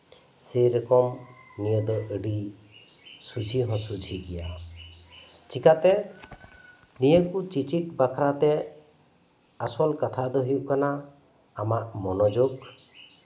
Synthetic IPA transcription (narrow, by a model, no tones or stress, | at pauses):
sejɾɔkɔm | nijəd̪ɔʔəɖi | sud͡ʒʰʱiɦɔ̃sud͡ʒʱiɡɛja | t͡ʃikat̪ɛ | nijəkut͡ʃit͡ʃit̚bakʰɾat̪ɛ | asɔlkat̪ʰad̪ɔɦijuʔkanaː | maʔmɔnɔd͡ʒoɡ